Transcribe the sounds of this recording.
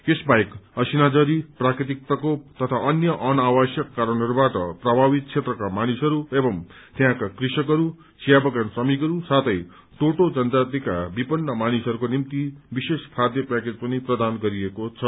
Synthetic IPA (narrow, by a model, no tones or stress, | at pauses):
esbajkʌsinad͡zʌɾiprakɾit̪ik̚t̪ʌkot̪ʌt̪ʰaʔʌnjʌʔʌnawʌsjʌkːaɾʌnɦʌɾubaʈʌprʌbʱabit̪̚t͡sʰet̪rʌkamanisɦʌɾuebʌm | t̪jɦãkakrisʌkʌɾu | t͡sʰijabʌɡansʌmikʌɾusat̪ʰʌj | t̪oʈod͡zʌnt̪at̪ika̰bipʌnːʌmanisʌɾukonimt̪ibiseskʰad̪jʌpɛked͡zpʌniprʌd̪anɡʌɾiekot͡sʰʌ